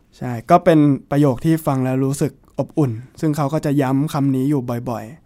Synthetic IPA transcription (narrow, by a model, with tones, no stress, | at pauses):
t͡ɕʰa˥˩jkɔː˥˩pe˧npɾa˧joː˨˩k̚t̪ʰiː˥˩fa˧ŋlɛ˦˥wɾuː˦˥sɯ˨˩k̚ʔo˨˩p̚ʔu˨˩nsɯ˥˩ŋkʰa˦˥wkɔː˥˩t͡ɕa˨˩ja˦˥mkʰa˧mniː˦˥juː˨˩bɔ˨˩jbɔ˨˩j